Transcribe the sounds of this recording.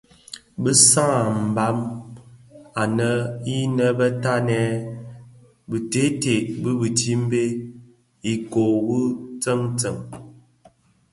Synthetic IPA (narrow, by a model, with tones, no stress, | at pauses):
bə˦sa˦a˨m̩˨ba˦m | a˨nə˦i˦nə˦bə˦ta˦nɛ˨˦ | bɨ˨te˦te˨ʔbɨ˦bɨ˨ti˦m̩˦be˦ | i˨ko˨bu˦t͡sə˦ŋt͡sə˨ŋ